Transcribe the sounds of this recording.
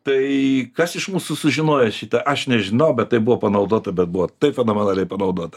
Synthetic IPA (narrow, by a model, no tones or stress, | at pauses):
t̪ɐɪkɐsɪʃmuːsʊsʊʒʲɪnoːjɛʃʲit̪ɐʔɐʃnʲɛʒʲɪnɐʊbʲɛt̪̚t̪ːɐɪbuʋoːpɐnɐʊd̪oːt̪ɐbʲɛt̪̚buʋɔt̪ɐɪpfʲɛnoːmʲɛnɑːlʲɛɪpɐnɐʊd̪oːt̪ɐ̥